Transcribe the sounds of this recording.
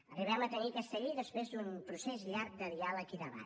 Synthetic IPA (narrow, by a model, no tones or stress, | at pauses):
əriβɛmət̪ənikəst̪əʎiðəspɾezd̪umpɾusezʎaɾk̚d̪əðialəkiðəβa̰